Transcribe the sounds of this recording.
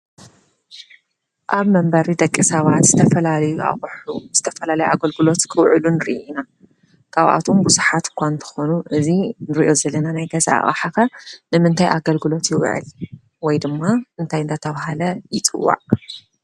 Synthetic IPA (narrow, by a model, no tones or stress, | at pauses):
ʔaβmɐmbɐɾid̪ɐkʼːisɐβat̪z̥ɨt̪ʰɐfɐlalɐjuʔa̰χʼħuz̥ɨt̪ʰɐfɐlalɐjʔaɡɐlɡɨlo̞t̪kʰɨwʕɨlunɨɾʔina | kʰaβʔa̰t̪ʰombuzuħat̪kʷʰant̪ʰɐ̥xonuʔɨzinɨɾiʔo̞zɐlːɐnanajɡɐza̰ʔa̰χʼa̰ħaxɐnɨmɨnt̪ʰajʔaɡɐlɡɨlo̞t̪jɪw̰ʕɨ̰l | wɔjd̪ɨmːaʔɨnt̪ʰajɨnd̪at̪ʰɐβahalɐjɪt͡sʼɨ̰wːa̰ʕ